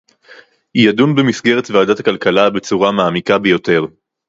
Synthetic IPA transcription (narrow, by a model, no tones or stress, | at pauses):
hijadunbemisɡe̞ʁetvaːdatakalkalabe̞t͡suʁamaːmikabejo̞te̞ʁ